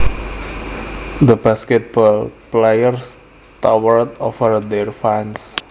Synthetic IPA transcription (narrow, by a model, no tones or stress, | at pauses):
d̪əbaskɛt̪̚bɔlplejərs | t̪awərt̪ɔfərd̪ɛrfãns